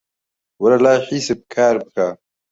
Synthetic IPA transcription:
wɐlalaːħiːseb̚kʰaːɾbəkʰa

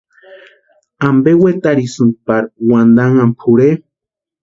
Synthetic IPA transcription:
ambewet̪aɾisunt̪̚paɾwand̪aŋampʰuɾe

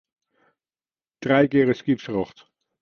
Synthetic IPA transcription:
d̥rɛjkɪːɾəskipsrɔχt

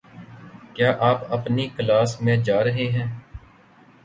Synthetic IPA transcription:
kjaːʔaːpəpniːkəlaːsmẽːd͡ʒaːɾəɦeːɦɛ̃ː

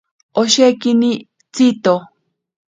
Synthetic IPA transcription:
oʃekini | t͡sit̪o

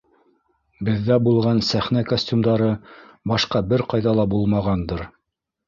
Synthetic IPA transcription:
bɘ̆ðːæbulˠʁɑnsæχnækosʲtʲumd̪ɑɾɤbɑʃqɑbɘɾqɑjðɑlˠɑbulˠmɑʁɑnd̪ɤɾ

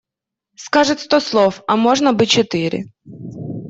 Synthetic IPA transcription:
skɑʒɪt̪ʲst̪ɔslˠɔwɐmɔʒnɐbɨt͡ʃɔt̪ɪɾʲɪ̰

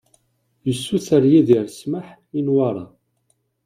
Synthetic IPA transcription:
jəsːuθəɾjiðiɾsməħ | inwaɾˤɑ

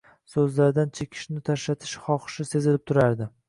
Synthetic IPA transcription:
sɵzlaɾd̪ant͡ʃʰekʲʰɪ̥ʃnɪt̪ʰaʃɾat̪ʰɪ̥ʃχɒχʃɪse̞zɪlɪp̚t̪ʰʊɾaɾd̪ɪ

